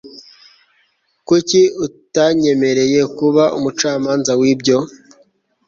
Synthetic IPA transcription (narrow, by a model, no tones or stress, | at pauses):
kuciutaɲe̞me̞ɾe̞je̞kuβaʔumut͡ʃaːmaːnzawibɟo̞